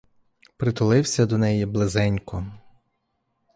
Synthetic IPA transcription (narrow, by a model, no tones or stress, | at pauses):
pɾɪt̪ʊlˠɪwsʲɐd̪ɔnɛjiblˠezɛnʲkɔ